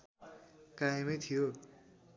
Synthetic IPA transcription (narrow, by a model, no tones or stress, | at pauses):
kaemʌjt̪ʰijo